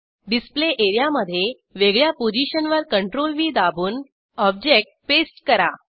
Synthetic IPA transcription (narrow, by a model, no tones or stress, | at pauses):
ɖispleʔeɾjaməd̪ʱːje | ʋeɡɭjapod͡ʑiɕənʋəɾkəɳʈɾolʋiːd̪abʱuːn | ɔb̚d͡ʑek̚ʈ̚pesʈkəɾa̰